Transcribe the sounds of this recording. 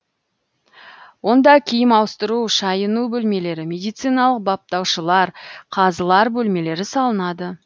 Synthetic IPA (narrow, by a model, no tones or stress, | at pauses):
wo̞nd̪ɑkʲʰijɪmɑwəst̪əɾuʃɑjənubɵlme̞le̞ɾɪmʲe̞d̪ijt̪sɨjnɑlˠəq̚bɑp̚t̪ɑwʃəlˠɑɾqʰɑzəlˠɑɾbɵlme̞le̞ɾɪsɑlˠənɑd̪ə